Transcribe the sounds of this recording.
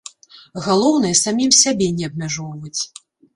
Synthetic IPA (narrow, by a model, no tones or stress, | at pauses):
ɣalˠɔwnɨjɛsamʲimsʲabʲɛnʲɛɐbmʲaʐɔwvɐt͡sʲ